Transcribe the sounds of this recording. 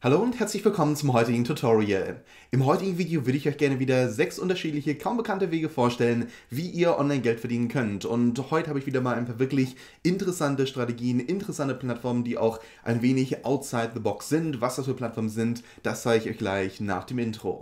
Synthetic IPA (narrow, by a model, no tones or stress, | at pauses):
haloːʊnthɛɐt͡slɪçv̥ɪlkʰɔmənt͡sʊmhɔʏtɪɡŋ̩tʰʊtʰɔʁiə̰ | ʔɪmɦɔʏtɪɡŋ̩viːdejoːvʏɐɾəɪçʔɔʏçɡ̥ɛɐnəviːdɐzɛksʔʊntɐʃiːtlɪçəkʰaʊmbəkʰantəveːɡəfoːɐʃtɛlən | viːʔiːɐʔɔ̰nlaɪnɡɛltfɛɐdiːnənkʰœntʊnthɔʏtəhaːbəɪçv̥iːdɐmaːlʔaɪnpʰaːχvɪɐklɪç | ʔɪntəʁəsantəʃtʁ̥ateɡiːənɪntəʁəsantəpl̥atfɔɐməndiːʔa̰ʊx | ʔa̰ɪnveːnɪçʔaʊtsaɪt̪̚ðəbɔksz̥ɪntv̥asd̥asfyːɐpʰlatfɔɐmənzɪnt | d̥aszaːɡəɪçɔ̰ʏçɡ̥laɪçna̰ːχd̥eːmɪntʁ̥o̰ː